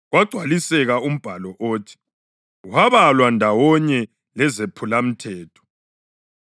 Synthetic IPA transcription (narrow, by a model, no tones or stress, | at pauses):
ɣwaɡ͡ǀʱwalisɛɣaum̩b̥ʱalɔʔoːtʰi̥ | uhaβalwandʱawɔɲɛ | lɛzepʰulam̩tʰɛːtʰɔ̥